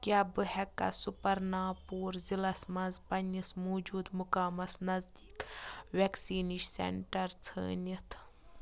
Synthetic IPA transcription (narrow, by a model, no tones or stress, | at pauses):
kʲaːbɨhɛkːɐ̰supɐɾnaːpuːɾzilɐsmɐnzpɐnʲismoːd͡ʒuːd̪mukaːmɐsnɐzd̪iːkʋʲeksiːniʃsḛɳʈɐɾt͡sʰə̰ːnit̪ʰ